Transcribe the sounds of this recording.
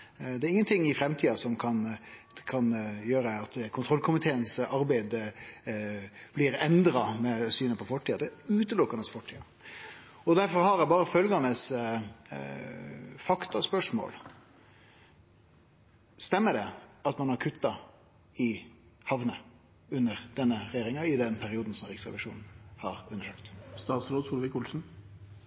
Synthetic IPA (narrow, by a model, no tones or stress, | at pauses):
d̪ɛæɾɪŋːənt̪ʰɪŋːɪfɾɛmt̪ʰiːɑsɔmkʰɑnkʰɑnjøːɾəɑt̪kʰʊnt̪ʰɾɔlkʰʊmɪt̪ʰeːənsɑɾbæɪd̪ | b̥lɪɾɛnd̪ɾɑmɛsyːnəpʰɔfɔʈːiːɑd̪ɛʉːt̪əlʊkːɑnəsfɔʈʰiːɑ̰ | ɔd̪æɾfɔɾhɑɾjæbɑːɾəfœlɡɑnəs | fɑkt̪ɑspœʂmo̰ːl | st̪ɛmːəɖɛɑt̪mɑnhɑɾkʰʉt̪ːɑ | ɪhɑʋnə | ʉnːəɾd̪̥ɛnːəɾɛjeːɾɪŋɑɪd̪ɛnpʰæɾɪuːd̪n̩sɔmɾiːksʁɛ̰ʋɪʂuːnn̩hɑɾʉnːəʂøːkt̪st̪ɑːt̪sɾoːd̪suːlʋɪkuːlsn̩